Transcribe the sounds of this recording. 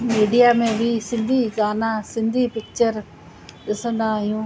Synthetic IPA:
miːɖijamẽbʱisɪ̃nd̪ʱiɡaːnãsɪ̃nd̪ʱipɪk̚t͡ɕəɾ | ɗɪsə̃nd̪aːɦijũː

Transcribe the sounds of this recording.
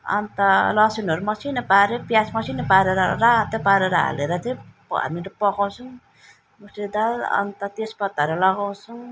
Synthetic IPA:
ʌ̰nt̪ʌlʌsinɦoɾumʌsinʌpaɾepjasmʌsinʌpaɾeɾʌɾat̪epaɾeɾʌɦa̰leɾʌt̪ʰe | a̰miɾʌpʌkaw̃t͡sʰuŋ | mused̪alʌ̰nt̪ʌt̪espʌt̪ːaɾelʌɡaw̃t͡sʰuŋ

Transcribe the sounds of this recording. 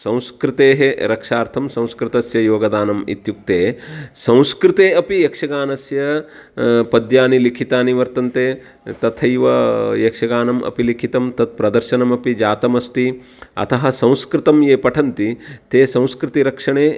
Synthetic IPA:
sɐ̃w̃skɾɪt̪eːɦeɾɐkʂaːɾt̪ʰɐmsɐ̃w̃skɾɪt̪ɐsjɐjoːɡɐd̪aːnɐmḭt̪juk̚t̪eːsɐ̃w̃skɾɪt̪eːɐpijɐkʂɐɡaːnɐsjɐ | pɐd̪jaːnilikʰit̪aːniʋɐɾt̪ɐnt̪eː | t̪ɐt̪ʰɐjʋɐjɐkʂɐɡaːnɐmʔɐ̰pilikʰit̪ɐmt̪ɐd̪̚pɾɐd̪ɐɾʃɐnɐmɐpid͡ʒaːt̪ɐmɐst̪i | ɐ̰t̪ʰɐɦɐ̆sɐ̃w̃skɾɪt̪ɐmjeːpɐʈʰɐnt̪it̪eːsɐ̃w̃skɾɪt̪iɾɐkʂɐɳeː

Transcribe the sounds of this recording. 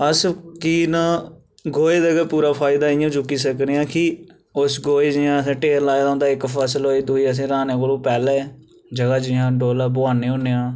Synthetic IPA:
əskiːnaː | ɡoːeːd̪əɡaːpuːɾaːpʰaːɪd̪aːɪjãːd͡ʒʊkːiːsəknejãːkɪ | ʊsɡoːeːd͡ʒɪjãːsẽːʈeːɾlaːeːd̪ʊ̃nd̪aːɪkpʰəsəloːiːd̪uːiːəs̬ẽːɾaːnẽːkəlõːpɛːlɛː | d͡ʒəɡaːd͡ʒɪjãːɖoːlaːbʊaːnẽːʊnːeːãː

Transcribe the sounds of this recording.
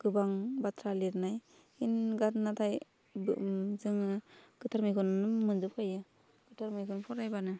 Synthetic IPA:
ɡ̥ɯbaŋbatʰɾaliɾnaj | inɡatnatʰaj | zɯŋɯɡ̥ɯtʰaɾmɯjkʰɯnɯmɯndɯp̚kʰajɯ | ɡ̥ɯtʰaɾmɯjkʰɯnpʰɔɾajbanɯ

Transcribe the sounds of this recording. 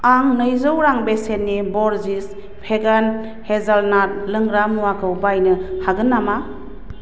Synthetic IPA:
aŋnɯjzɯwɾaŋbesenːibɔɾzis | pʰeɡan | hezalnat̚lɯŋɾamuwakʰɯwbajnɯhaɡɯnːama

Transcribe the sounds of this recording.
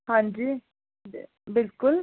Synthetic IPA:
hãːnd͡ʒiː | bɪlkʊl

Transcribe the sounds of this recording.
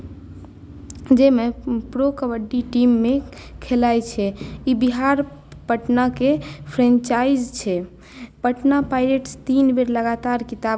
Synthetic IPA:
d͡ʒemepɾokəbəɖːiʈimːekʰelajt͡ʃʰɛibiɦaɾpəʈnakepʰɾẽnt͡ʃaid͡ʒt͡ʃʰɛ | pəʈnapajleʈst̪inbeɾləɡat̪aɾkit̪a

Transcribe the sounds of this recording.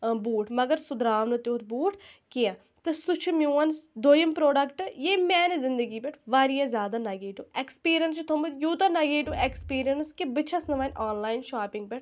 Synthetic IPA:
buːʈʰməɡəɾsʊd̪ɾaːʋnut̪eoːɾbuːʈʰkɪjãː | t̪esʊt͡ʃʰumʲjũːənsd̪oːjəmpɾoːɖəkʈjeːmɛːnezɪnd̪əɡiːpeʈʰʋaːɾijãːzjaːd̪aːnaːɡeːʈuːekspiːɾijənst͡ʃt̪ʰomjuːt̪anaːɡeːʈuːʔekspiːɾijənskebɪt͡ʃʰɐsnəʋaːnaːnlaːinʃaːpɪŋɡ̚pɛʈ

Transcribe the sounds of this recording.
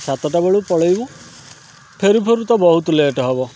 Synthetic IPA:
sat̪ɔʈabeɭupɔɭɔjbũ | pʰeɾupʰeɾut̪ɔbɔɦut̪ɔleːʈɔɦebɔ

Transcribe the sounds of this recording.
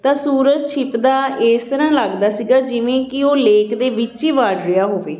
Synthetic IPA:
t̪ãːsuːɾəd͡ʒt͡ʃʰɪpd̪aːeːst̪əɾãːlaɡd̪aːsiːɡaːd͡ʒɪʋẽːkɪoːleːkd̪eːʋɪt͡ʃiːʋaːɖɾɪjaːɦoːʋeː

